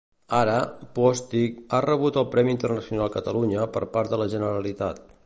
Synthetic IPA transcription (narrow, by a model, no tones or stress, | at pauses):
aɾəpɔst̪ik̚arəβ̞ut̪əlˠpɾɛmint̪ərnəsiunalˠkət̪əluɲəpəɾpaɾt̪ðələʒənəɾəlit̪a̰t̪